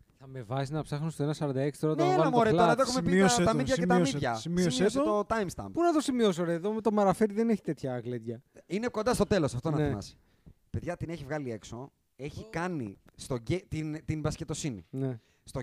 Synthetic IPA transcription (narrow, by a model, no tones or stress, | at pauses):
θɐme̞vɐsiznɐpsɐxnunst̪oenɐsɐɾɐnd̪ɐekst̪ɾɐonɐenɐmoɾeloeðoexumepiiot̪ɐmiðʝɐcemiʝɐsimisomieoseot̪ot̪ɐjmst̪ɐ̰mbpunɐt̪o̞simios̬oɾeðomet̪omɐɾɐfeɾiðeneçi̥t̪e̞t̪çɐːɣlet̪ʝɐinekond̪ɐst̪o̞t̪e̞lo̞sɐft̪onɐθimɐ̰si̥ | pe̞ðʝɐt̪ineçivɣɐlie̞kso̞ | e̞çikɐnḭst̪o̞ɟet̪int̪inbɐsce̞t̪o̞sinḭne | st̪o